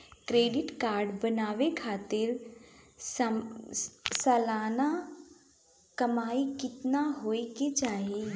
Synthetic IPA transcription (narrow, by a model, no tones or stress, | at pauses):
kɾeːɖɪʈkaːɾɖbənaːʋekʰaːt̪ɪɾ | s | sɐlaːna | kɐmaːikɪt̪naɦoːeked͡ʒaːie